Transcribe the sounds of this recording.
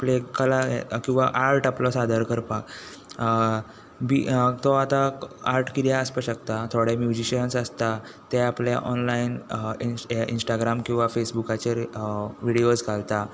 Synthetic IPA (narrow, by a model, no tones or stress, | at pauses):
aplekəlakĩw̃ʋaʔaɾʈaplɔsad̪ʱəɾkəɾpak | bit̪ɔat̪aaɾʈkid̪jaəspəɕəkt̪at̪ʰoɽemjud͡ʑiɕənsəst̪at̪ɛaplja̰ʔɔnlain | ḭnsʈaɡɾamkĩw̃ʋafesbukat͡ɕeɾʋiɽioskalt̪a